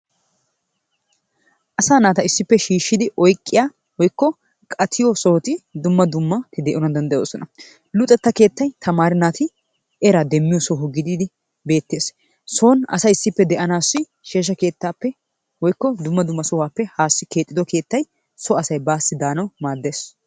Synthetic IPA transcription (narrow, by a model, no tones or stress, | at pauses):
ʔɐsaːnaːt̪ɐɪsːɪpːɛʃiːʃːɪd̪ɪʔɔjkʼːɪjaː | wɔjkːɔ | kʼɐt̪ʰɪjɔsɔht̪ɪd̪ʊmːɐd̪ʊmːɐt̪ɪd̪ɛʔɔnɐnd̪ɐnd̪ɐjo̰ːsɔnʔɐ | lʊt̪ʼːɛt̪ːɐke̞ːt̪ːɐjt̪ʰɐmaːɾɪnaːt̪ɪ | ʔɛɾɐd̪ɛmːɪjɔsɔɦʊɡɪd̪iːd̪ɪ | be̞ːt̪ːe̞ːs | soːnɐ̰sɐjɪsːɪpːɛd̪ɛʔɐnaːsːɪ | ʃeːʃ̬ːɐke̞ːt̪ːaːpːɛ | wɔjkːɔd̪ʊmːɐd̪ʊmːɐsɔwaːpːɛhaːsːɪke̞ːt̪ʼːɪd̪ɔke̞ːt̪ːɐj | sɔɐsɐjbaːsːɪd̪aːnɐwmaːd̪ːe̞ːs